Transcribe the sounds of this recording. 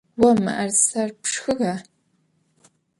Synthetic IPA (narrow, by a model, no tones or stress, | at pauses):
wɐma̰ʔarsarpʰʂxɨɣa